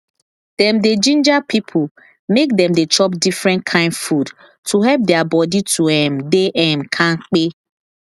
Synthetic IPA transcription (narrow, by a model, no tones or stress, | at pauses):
d̥ɛmded͡ʒĩnd͡ʒapʰipʰʊ | mek̚dɛ̃mdet͡ʃɔpdifɾɛ̃nkʰãɪ̃ndfud | tʰuɦɛlp̚deabɔditʰuɛmdeʔɛm̩kʰãŋ̩k͡pe